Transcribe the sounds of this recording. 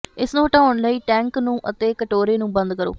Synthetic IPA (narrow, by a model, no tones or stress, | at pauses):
ɪsnũːʈãːʊɳləiːʈɛ̃ːŋknũːʔət̪eːkəʈoːɾeːnũːbənd̪̚kəɾo̰ː